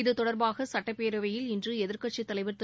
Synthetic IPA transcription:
ɪðɯt̪ɔɽɐɾbaːɣɐsɐʈːɐpːeːɾɐʋɐjɪlɪndrɯɛðɪɾkɐʈt͡ʃit̪ːɐlɐɪʋɐɾt̪

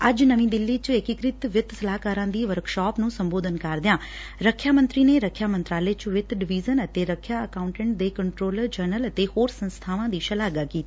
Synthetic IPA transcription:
əd͡ʒnəʋĩːd̪ɪlːiːt͡ʃɪkɪkɾɪt̪ʋɪt̪səlaːkaːɾãːd̪iːʋəɾkʃɔːpnũːsəmboːd̪ʱənkaɾd̪ɪjãː | ɾəkʰːjaːmə̃nt̪ɾiːneːɾəkʰːjaːmə̃nt̪ɾaːleːt͡ʃʋɪt̪ɖɪʋiːzənət̪eːɾəkʰːjaːəkaːʊ̃ɳʈə̃ɳʈ̚d̪eːkəɳʈɾoːləɾd͡ʒəɾnələt̪eːhoːɾsə̃nst̪ʰaːʋãːd̪iːʃəlaːɡaːkiːt̪iiː

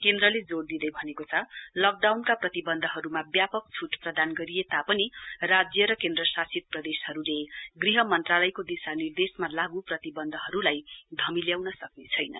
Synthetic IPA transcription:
kend̪ɾʌled͡zord̪id̪ʌjbʱʌnekot͡sʰʌlʌk̚ɖawnkaprʌt̪ibʌnd̪ʱʌɦʌɾumabjapʌk̚t͡sʰuʈprʌd̪anɡʌɾijet̪apʌnirad͡zjʌɾʌkend̪rʌsasit̪̚prʌd̪eshʌɾuleɡriɦʌmʌnt̪ralʌjkod̪isanird̪esmalaɡuprʌt̪ibʌnd̪ʱʌɦʌɾulajd̪ʱʌmiljawnʌsʌknet͡sʰʌjnʌ̰

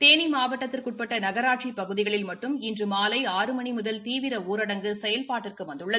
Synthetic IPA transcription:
t̪eːnimaːʋɐʈːɐt̪ːɪrkʊʈ̚pɐʈːɐnɐɣɐɾaːʈ̚t͡ʃipɐɣɯðɪɣɐɭɪlmɐʈːɯmɪndrɯmaːlɐɪaːɾɯmɐɳimʊðɐlt̪iːʋɪɾɐuːɾɐɽɐŋɡɯsɛjɐlpaːʈːɪrkɯʋɐnd̪ɯɭːɐð

